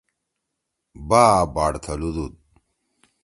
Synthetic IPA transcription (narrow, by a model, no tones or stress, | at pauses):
baːbaːɽt̪ʰɐlud̪ud̪̚